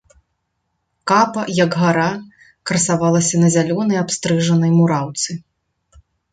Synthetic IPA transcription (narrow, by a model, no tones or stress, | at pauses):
kapɐjɐɡɣaɾa | kɾɐsavalˠɐsʲɐnɐzʲalʲɔnɐjapst̪ɾɨʐɐnɐjmuɾawt̪sɨ